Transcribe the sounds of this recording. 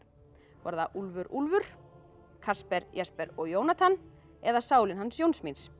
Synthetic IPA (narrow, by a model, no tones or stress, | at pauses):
va̰ɾðaʔulvʏɾulvʏɾ̥ | kʰaspɛɾjaspɛɾɔɣjoːwnat̪ʰan | ɛðasaːwlɪnɦansjownsmins